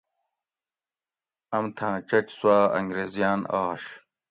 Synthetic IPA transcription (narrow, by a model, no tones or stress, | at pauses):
ɐmt̪ʰãːt͡ɕɐt͡ɕswaːɐ̰ŋɡɾeːzjaːnaːɕ